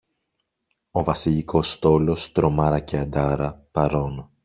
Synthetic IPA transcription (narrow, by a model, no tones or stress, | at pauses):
o̞vɐsiʎiko̞st̪o̞lo̞st̪ɾo̞mɐɾɐce̞ɐd̪ɐɾɐpɐɾo̞n